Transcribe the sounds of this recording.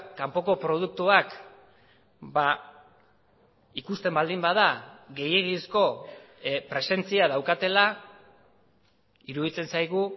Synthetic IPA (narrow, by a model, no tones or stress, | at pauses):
kampo̞ko̞pɾo̞ð̞uk̚t̪uak | ba | ikust̪e̞mbald̪imbaðaɣe̞je̞ɣisko̞ | pɾe̞se̞nt͡siað̞awkat̪e̞la | iɾuðit͡se̞nsajɣ̞u